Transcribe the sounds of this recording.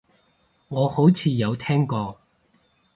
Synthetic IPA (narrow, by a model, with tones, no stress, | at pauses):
ŋɔː˨˧ho˨˥wt͡sʰiː˨˧jɐ˨˧wt̪ʰɛː˥ŋkɔː˧